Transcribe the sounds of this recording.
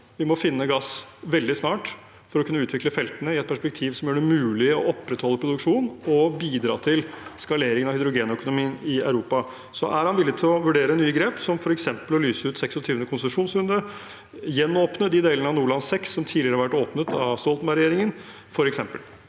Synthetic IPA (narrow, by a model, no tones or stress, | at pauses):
ʋɪmɔfɪnːəɡɑsʋɛld̪ɪsnɑːʈ | fɔɾɔkʰʉnːəʉːt̪ʰʋɪkləfɛlt̪ənəɪɛt̪̚pʰæʂpɛk̚t̪ʰiːʋsɔmjøːɖɛmʉːlɪɔʔɔpːɾət̪hɔlːəpʰɾʊd̪ʉkʂuːnɔbiːd̪ɾɑ̰ːt̪ʰɪlskɑleːɾɪŋənɑhʏd̪ɾʊɡeːnœkʊnʊmiːənɪæʉɾuːpɑ | sɔ̰ʔæɾhɑnʋɪlːɪt̪ʰɪlɔʋʉɖeːɾənyːəɡɾeːpsɔmfɔɾɛksɛmpəlɔlyːsəʉːt̪sɛksɔt̪ʰyːʋənəkʰʊnsəmʂuːnsʉnd̪ə | jɛnːoːpnəd̪ɪd̪eːlənəɑnuːɭɑnsɛksːɔmt̪ʰiːd̪ɪəɾəhɑɾʋæʈoːpnət̪ʰɑʋst̪ɔlt̪nɑɾɪjeːɾɪŋən | fɔɾɛksɛmpəl